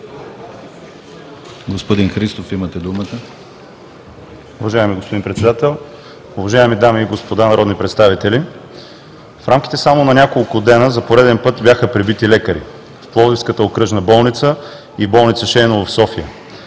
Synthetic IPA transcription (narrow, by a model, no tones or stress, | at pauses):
ɡospod̪inxɾist̪ofimət̪ɛd̪umət̪ə | ʊvɐʒaɛmiɡospod̪inpɾɛt̪sɛd̪at̪ɛlˠ | ʊvɐʒaɛmid̪amiːɡospod̪anɐɾɔd̪nipɾɛt̪st̪avit̪ɛli | fɾamk̟ʲi̥t̪ɛsamonɐnʲakolˠkʊd̪ɛnəzɐpoɾɛd̪ɛnpɤt̪bʲjaxəpɾibit̪ilɛkəɾḭ | fplˠɔzifskət̪əokɾɤʒnəbɔlˠnit̪sə | ibɔlˠnit̪səʃɛjnovɐfsɔfiə